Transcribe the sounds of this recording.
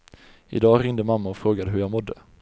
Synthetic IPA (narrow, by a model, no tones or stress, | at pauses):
ɪ̰d̪ɑːɾɪŋd̪əmamːaɔfɾoːɡad̪əɦɵjaːɡmɔd̪ːə